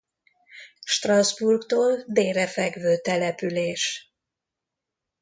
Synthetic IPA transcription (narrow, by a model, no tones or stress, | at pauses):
ʃt̪rɒzburkt̪oːld̪eːɾɛfɛɡvøːt̪ɛlɛpyleːʃ